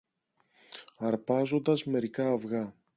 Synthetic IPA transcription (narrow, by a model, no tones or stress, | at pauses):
ɐɾpɐzo̞nd̪ɐzme̞ɾikɐːvɣɐ